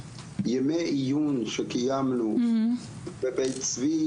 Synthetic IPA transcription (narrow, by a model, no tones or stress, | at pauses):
jɛmeʔijunʃɛkijamnu | bebejt͡svi